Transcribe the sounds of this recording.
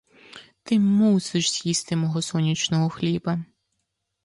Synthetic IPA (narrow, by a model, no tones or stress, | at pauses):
t̪ɪmuseʃz̥ʲjist̪ɪmɔɦɔsɔnʲit͡ʃnɔɦɔxlʲibɐ